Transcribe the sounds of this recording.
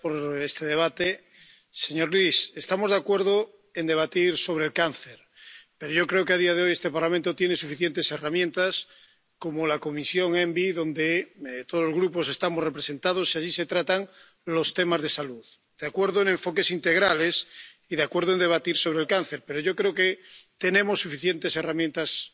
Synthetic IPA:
poɾest̪eðeβ̞at̪e | seɲo̞ɾlisest̪amo̞zðeakwe̞ɾðo | end̪e̞β̞at̪iɾso̞β̞ɾelkanθeɾ | peɾoʝo̞kɾe̞okeaðiað̞eojest̪e̞paɾlamẽnt̪ot̪jene̞sufiθjent̪e̞se̞ramjẽnt̪as | ko̞molako̞misjo̞ŋembiðõ̞nd̪et̪oðzlozɣɾupo̞s̬e̞st̪amosrepɾese̞nt̪að̞osiaʝise̞t̪ɾat̪aŋ | lo̞st̪emazðe̞saluð | d̪̥eakwe̞ɾðoenẽ̞ɱfo̞ke̞sint̪eɣ̞ɾalesiðeakwe̞ɾð̞oe̞nd̪e̞βat̪iɾso̞β̞ɾelkanθeɾpeɾoʝo̞kɾeoket̪enẽmo̞sːufiθjent̪e̞se̞ramjẽnt̪as

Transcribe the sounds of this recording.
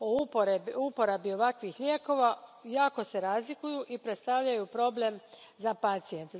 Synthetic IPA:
oupoɾeupo̞ɾabio̞ʋakʋixʎʲeːko̞ʋajaːko̞se̞ɾaːzlikujuʔipɾet̪st̪aʋʎajupɾo̞ble̞mzapat̪sient̪

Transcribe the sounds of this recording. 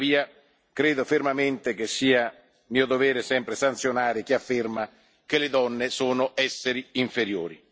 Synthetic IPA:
viːa | kɾeːd̪ofermament̪ekesːiːa | miːod̪ovɛːɾesɛmpɾesant̪sjonaːɾɪk̟iafːɪrma | keled̪ɔnːesoːnʊʔɛsːeɾiiɱfeɾjoːɾḭ

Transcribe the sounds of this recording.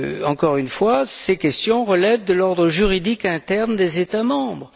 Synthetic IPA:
ɑ̃kɔʁynfwasekʲɛst̪jɔ̃ʁəlɛvd̪əlɔʁd̪ʁəʒyʁid̪ikɛ̃t̪ɛʁnd̪ezet̪amɑ̃bʁ

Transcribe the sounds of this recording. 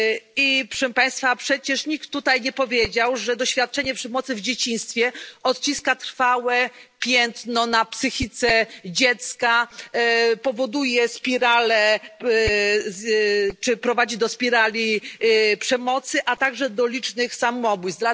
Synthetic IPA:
ipʂɛmpaj̃st̪fapʂɛt͡ɕɛʂɲik̚t̪ːut̪ajɲɛpɔvʲjed͡ʑawʐɛd̪ɔɕfʲjat̪̚t͡ʂɛɲɛpʂɛmɔt̪sɘvd͡ʑet͡ɕĩst̪fʲjɛɔt̪t͡ɕiskat̪ɾ̥fawɛpʲjɛnt̪nɔnapsɘxʲit̪sɛd͡ʑɛt̪ska | pɔvɔd̪ujɛspʲiɾalɛ | t͡ʂɘpɾɔvad͡ʑid̪ɔspʲiɾalʲipʂɛmɔt̪sɘʔat̪aɡʐɛd̪ɔlʲit͡ʂnɘxsamɔbujza

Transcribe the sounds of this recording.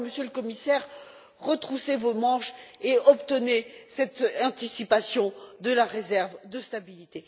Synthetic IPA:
məsjøləkɔmisɛʁ | ʁət̪χusevomɑ̃ʃeɔpt̪ənesɛt̪ɑ̃t̪isipasjɔ̃d̪əlaʁezɛʁvd̪əst̪abilit̪e

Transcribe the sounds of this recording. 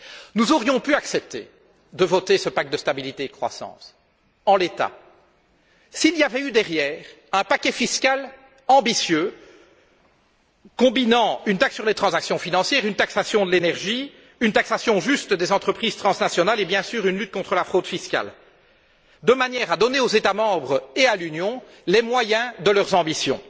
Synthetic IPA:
nuzɔʁjɔ̃pyaksɛp̚t̪ḛ | d̪əvɔt̪esəpak̚t̪̚d̪əst̪abilit̪eːd̪əkχwa̰sɑ̰̃ːs | ɑ̃let̪a̰ | siliavɛyd̪ɛʁjɛːʁ | ɛ̃pakʲɛfiskʲal | ɑ̃bisjø | kɔ̃binɑ̃ynt̪aksyʁlet̪χɑ̃zaksjɔ̃finɑ̃sjɛːʁynt̪aksasjɔ̃d̪əlenɛʁʒi | ynt̪aksasjɔ̃ʒyst̪d̪ezɑ̃t̪χəpχiːz̥t̪χɑ̃snasjɔnalebjɛ̃syːʁynlyt̪̚kɔ̃t̪χəlafχod̪fiskʲa̰l | d̪əmanjɛːʁad̪ɔneozet̪amɑ̃bʁealynjɔ̃ | lemwajɛ̃d̪əlœʁzɑ̃bisjɔ̰̃

